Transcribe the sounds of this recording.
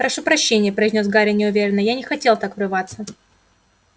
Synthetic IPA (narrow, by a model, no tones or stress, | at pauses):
ɾɐʂupɾɐɕːenʲɪjəpɾəɪzʲnʲosɡaɾʲɪnʲɪʊvʲeɾʲɪnːəjanʲɪxɐtʲe̞lˠt̪akvɾɨvat̪sə